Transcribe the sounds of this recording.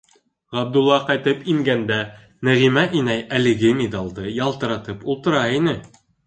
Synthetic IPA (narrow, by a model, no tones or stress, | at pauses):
ʁɑb̚d̪ulˠːɑqɑjt̪ɤpiŋɡænd̪æ | næʁimæʔinæjælɘ̆ɡɘmʲed̪ɑlˠd̪ɤjɑlˠt̪ɤ̆ɾɑt̪ɤpulˠt̪ɤ̆ɾɑinɘ